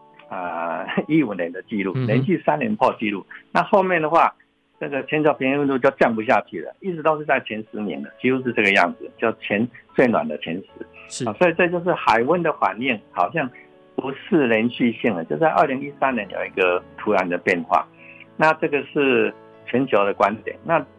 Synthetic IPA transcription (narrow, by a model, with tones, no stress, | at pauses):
ə˨˩i˥u˨˩njɛ˨˦nd̪ə˨t͡ɕi˥˧lṵ˥˩ljɛ˧˦nt͡ɕy˥˧sa˥njɛ˧˦npʰɑ˥˧ʊt͡ɕi˥˧˦lu˥˩na˥˧xo˥˧ʊmjɛ˥˩nd̪ə˩xwa˥˧ | ʈ͡ʂə˥˩ɡə˩˨t͡ɕʰjɛ˧˥nt͡ɕʰjpʰjɛ˧˥ŋi˥˧wə˥˧nt̪u˥˧t͡ɕjo˥˧ʊt͡ɕjɑ˥˩ŋpu˧˦ɕ̬ja˥˧t͡ɕʰy˥˨˩lə̰˩i˥˩t͡sɻ̩˧˥o˥˧ʊʂɻ̩˥˧t͡sa˥ɪt͡ɕʰjɛ˧˥nʂɻ̩˧˦njɛ̰˧˥nd̪ə˨t͡ɕʰi˧˥hu˧˥ʂ̬̩˥˧ʈ͡ʂɤ˥˧˩ɡə˩˧jɑ̰˥˩ŋd͡zɹ̩˨˩t͡ɕjo˥˧˩ʊt͡ɕʰjɛ˧˥nt͡swe˥˩ɪnwa̰˨˩nd̪ə˦t͡ɕʰjɛ˧˦˥ns̩˧˦˨swɔ˧˥i˨˩t͡sɤ˥˧t͡ɕjo˥˧ʊʂ̬ɻ̩˥˩xa˨˩ɪwə˦nd̪ə˨xwa̰˨˩nːɛ˥˩nxɑ˨˩ʊɕjɑ˥˩ŋ | u˧˥˦sɹ̩˥˩ljɛ˧˦nɕy˥˧ɕji˥˩ŋdə˩t͡ɕjo˥˧ʊt͡sa˥˧ɪʔə˥˧li˧˥ŋi˦˥sa˥˦njɛ˧˦njo̰˨˩ʊi˧˥ɡə˧t̪ʰu˧˥ɻa˧˥nd̪ə˨pjɛ˥˧nxwa̰˥˩na˥˧ʈ͡ʂɤ˥˩ɡə˨ʂɻ̩˥˩ | t͡ɕʰɛ˧˥nt͡ɕʰjo˧ʊd̪ə˧kwa˦nt̪jɛ̰˨˩˦nːa˥˧